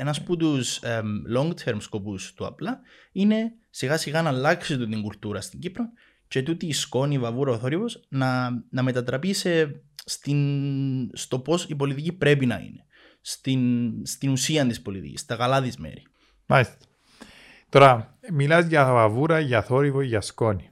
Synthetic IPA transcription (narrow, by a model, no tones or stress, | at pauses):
enɐsput̪uslo̞ŋɡt̪ʰeɾmsko̞pust̪uɐ̰plɐ | ine̞ | siɣɐsiɣɐnɐlːɐksit̪ut̪iŋɡult̪uɾɐst̪iɲɟipɾon | ce̞t̪ut̪iːsko̞nivɐvuɾɐoθo̞ɾipo̞snɐnɐme̞t̪ɐt̪ɾɐpise̞st̪in | st̪o̞po̞sipo̞lit̪icipɾe̞pinɐ̰ḭne̞ | st̪inst̪inusiɐnt̪ispo̞lit̪ḭcḭst̪ɐkɐlɐðizmḛɾi | malist̪e̥ | t̪o̞ɾɐmilɐzʝɐvɐvuɾɐʝɐθo̞ɾivoʝɐsko̞ni